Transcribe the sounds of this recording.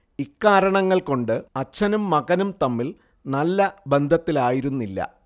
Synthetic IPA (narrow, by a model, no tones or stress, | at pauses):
ikːaːɾɐɳɐŋːɐɭko̞ɳɖɨɐt͡ɕːɐnumːɐɣɐnumt̪ɐmːil | nɐlːɐbe̞nd̪ʱɐt̪ːilaːjiɾunːilːɐ̰